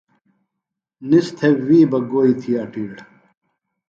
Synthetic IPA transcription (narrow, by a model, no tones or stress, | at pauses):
nist̪ʰeːiːbɐɡoːit̪ʰiɐʈiɽ